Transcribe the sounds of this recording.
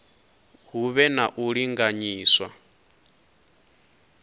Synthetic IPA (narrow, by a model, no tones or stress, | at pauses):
ɦuβɛnaʔuɺiŋɡaɲiːswa̰